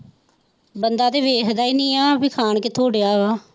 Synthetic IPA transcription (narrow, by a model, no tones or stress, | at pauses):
bənd̪aːd̪eːʋeːkd̪aːiːnĩːaːbiːkʰaːɳkɪt̪ʰoːɽejaːaː